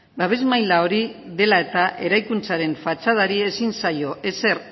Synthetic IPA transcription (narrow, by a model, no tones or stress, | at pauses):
baβe̞zmajlao̞ɾiðe̞lae̞t̪aʔe̞ɾajkunt͡saɾe̞ɱfat͡ʃað̞aɾie̞sinsajo̞ʔe̞se̞r